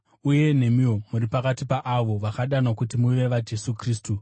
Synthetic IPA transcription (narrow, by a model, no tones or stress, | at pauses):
uje̞ne̞mio̞muɾipakatipaʔaʋo̞ʋakaɗano̞kutimuʋe̞ʋad͡ʒe̞sukriːstu